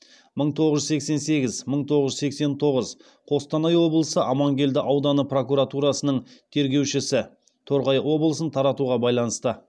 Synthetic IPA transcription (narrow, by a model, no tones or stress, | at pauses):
məɴt̪ʰo̞ʁəʒʏse̞kse̞nse̞ɡʲɪzməɴt̪ʰo̞ʁəʒʏzse̞kse̞nt̪ʰo̞ʁəz | qʰo̞st̪ɑnɑjwo̞blˠəsəʔɑmɑŋɡʲe̞ld̪ɪʔɑwd̪ɑnəpro̞kuɾat̪uɾɑsənəɴt̪ʰe̞ɾɡʲe̞wʃɪsɪ | t̪ʰo̞ɾʁɑjwo̞blˠəsənt̪ʰɑɾɑt̪uʁɑbɑjlˠɑnəst̪ə